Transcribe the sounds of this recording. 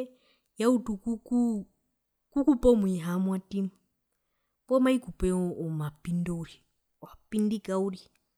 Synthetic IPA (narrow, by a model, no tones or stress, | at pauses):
jautukuku | kukupɔmuiɦamwatimu | pɔmaikupɛɔmapindɔuɾi | wapindikauɾi